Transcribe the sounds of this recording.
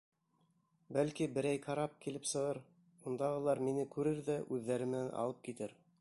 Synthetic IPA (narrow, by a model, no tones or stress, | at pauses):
bælkibɘ̆ɾæjqɑɾɑp̚kilɘpsɤ̆ʁɤɾ | und̪ɑʁɤ̆lˠɑɾminɘkʉɾɘɾðæʔʉðːæɾɘmɘ̆nænʔɑ̰lˠɤp̚kit̪ɘɾ